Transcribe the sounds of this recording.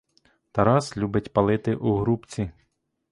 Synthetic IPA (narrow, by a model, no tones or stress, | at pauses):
t̪ɐɾɑslʲubɪtʲpɐlˠɪt̪ɪʔuɦɾupt͡sʲi